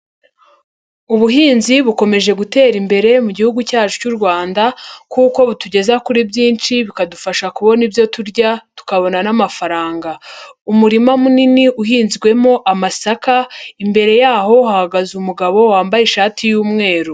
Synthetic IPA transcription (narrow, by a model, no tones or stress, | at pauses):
uβuɦiːnziβuko̞me̞ʒe̞ɡute̞ːɾimbe̞ɾe̞muɟihuɡucaːt͡ʃucuɾɡwaːndakuko̞βutuɟe̞zakuɾibɟiːnt͡ʃiβikadufaʃakuβo̞nibjo̞tuɾɟatu̥kaβo̞nanamafaɾaːŋɡaumuɾimamuniniʔuɦiːnzɡwe̞mo̞ʔamasakaimbe̞ɾe̞jaːɦo̞ɦahaɡazumuɡaβo̞waːmbajeʃaːtʰijuːmŋe̞ːɾu